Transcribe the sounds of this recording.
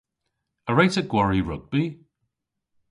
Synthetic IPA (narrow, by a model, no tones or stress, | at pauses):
əɹajtəɡwɔɹiɹʊɡ̚bi